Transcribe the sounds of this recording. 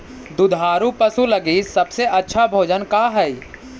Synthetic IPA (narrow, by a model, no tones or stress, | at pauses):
d̪ʊd̪ʱaːɾũpɐsulɐɡisɐbseʔɐtːʃʰabʱoːd͡ʒənkaːɦɛi